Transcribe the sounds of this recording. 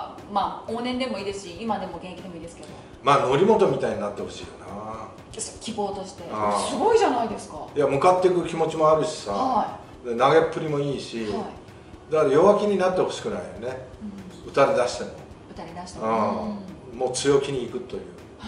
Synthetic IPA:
maːoːnẽ̞nd̪e̞moiːd̪e̞sɨɕiimad̪e̞mo̞ɡẽ̞ŋekʲid̪e̞moiːd̪esɨ̥ke̞d̪o̞̰ | maːno̞ɾʲimo̞t̪o̞mʲit̪aiɲ̟inat̪ːe̞ho̞ɕḭːjona | sokʲibo̞ːt̪o̞ɕi̥t̪e̞asɨɡo̞iʑanaid̪e̞sɨ̥kajamɯ̟kat̪ːe̞kɯ̟kʲimo̞t͡ɕimo̞aɾɯ̟ɕi̥saai | d̪anaɡe̞pːɯ̟ɾʲimo̞iːɕiai | d̪akaɾajo̞βakʲiɲ̟inat̪ːe̞ho̞ɕi̥kɯ̟naijone̞ɯ̟t̪aɾʲid̪aɕi̥t̪e̞no̰ | ɯ̟t̪aɾʲid̪aɕi̥t̪aa | mo̞ːt͡sɨjo̞kʲiɲ̟iːkɯ̟t̪ːo̞jɯ̟̰ː

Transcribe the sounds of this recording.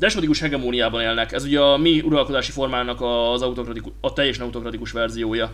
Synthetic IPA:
d̪ɛʃmot̪ikuʃhɛɡɛmoːnijaːbɒneːlnɛkɛzuɟɛɒmiuɾɒlko̞d̪aːʃifo̞rmaːnɒkɒzɒut̪o̞krɒt̪ikuɒt̪ɛjːɛʃnɛut̪o̞krɒt̪ikuʃʋɛrzijoːjɒ

